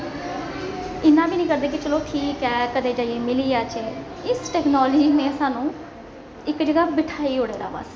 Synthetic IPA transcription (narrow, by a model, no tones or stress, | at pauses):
ɪnːãːbiːnĩːkəɾd̪eːk̬ɪt͡ʃəloːʈʰiːkɦɛːkəd̪eːd͡ʒaːieːmɪliːaːt͡ʃeː | ɪsʈɛːknɔːld͡ʒiːneːsaːnũː | ɪkd͡ʒəɡaːbɪʈʰaːiːɦoːɽeːɾa̰ːba̰ːs